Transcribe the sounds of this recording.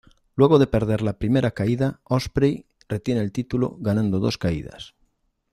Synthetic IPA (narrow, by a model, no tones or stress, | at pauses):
lwe̞ɣ̞oðe̞pe̞ɾðeɾlapɾime̞ɾakaiðaospɾej | ret̪je̞nelt̪it̪ulo̰ɣanãnd̪oðoskaḭð̞a̰s